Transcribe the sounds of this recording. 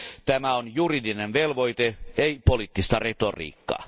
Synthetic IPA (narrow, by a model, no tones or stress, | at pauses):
t̪æmæonjuridinenʋelʋo̞jt̪eeipolit̪ːist̪ɑret̪orḭːkːɑ̰